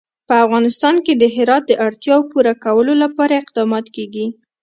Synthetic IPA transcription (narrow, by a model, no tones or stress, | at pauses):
pəafɣɑnɪst̪ɑnked̪əɦɪɾɑt̪̚d̪əʔaɽt̪jɑwopuɾakawəlolapɑɾaɪq̚d̪ɑmɑt̪keɡi